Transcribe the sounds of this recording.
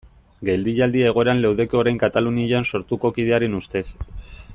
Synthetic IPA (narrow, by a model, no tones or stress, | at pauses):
ɡe̞ld̪iʎald̪ieɣ̞o̞eɾanlewðe̞koɾajŋkat̪aluniʎanso̞ɾt̪uko̞kið̞e̞aɾenust̪e̞s